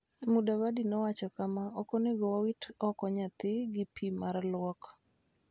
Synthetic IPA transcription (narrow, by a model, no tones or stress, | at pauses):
mudawadinɔwat͡ʃɔkamaɔkoneɡɔwawitɔkɔɲat̪ɪɡɪpʰimaɾlʊwɔk